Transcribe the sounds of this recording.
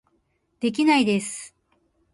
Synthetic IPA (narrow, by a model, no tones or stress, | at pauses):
d̪̥e̞k̬ʲinaid̪e̞sɨ̥